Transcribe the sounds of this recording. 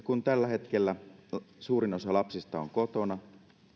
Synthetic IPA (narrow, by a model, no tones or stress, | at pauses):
kunt̪ælːæɦe̞t̪k̟elːæsuːɾino̞sɑlɑpsist̪ɑo̰ŋko̞t̪o̞nɑ